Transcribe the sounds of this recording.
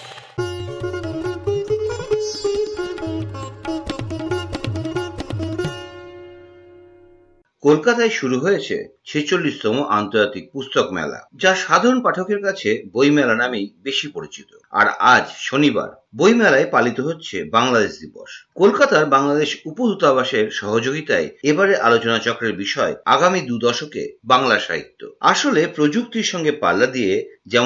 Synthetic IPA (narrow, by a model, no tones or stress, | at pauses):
kolkat̪aeʃuɾuɦojet͡ɕʰḛt͡ɕʰet͡ɕolːiʃt̪ɔmoʔant̪oɾd͡ʑat̪ik̚pust̪okmɛ̰la̰d͡ʑaʃad̪ʱaɾonpaʈʰokeɾkat͡ɕʰebojmɛlanamejbeʃipoɾit͡ɕit̪oa̰ɾad͡ʑʃoniba̰ɾ | bojmɛlaepalit̪oɦotːɕʰebaŋlad̪eʃd̪ibɔ̰ʃkolkat̪aɾbaŋlad̪eʃupod̪ut̪abaʃeɾʃɔɦod͡ʑoɡit̪aeebaɾeʔalot͡ɕonat͡ɕɔkɾeɾbiʃɔea̰ɡamid̪ud̪ɔʃokḛbaŋlaʃa̰ɦḭt̪ːo̰aʃolepɾod͡ʑuk̚t̪iɾʃɔŋɡepa̰lːad̪ied͡ʑɛ